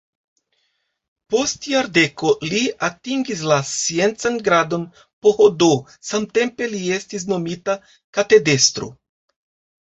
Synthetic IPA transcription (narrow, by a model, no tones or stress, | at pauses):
po̞stjaɾde̞ko̞liatiŋɡis̬lasie̞nt͡sanɡɾado̞n | po̞hodo | samte̞mpe̞lie̞stis̬no̞mita | kate̞de̞stɾo̰